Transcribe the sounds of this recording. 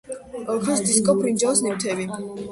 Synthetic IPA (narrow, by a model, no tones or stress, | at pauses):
ɔpʰɛsd̪iskʼɔpʰɾind͡ʒɔɔsnɛwt̪ʰɛbi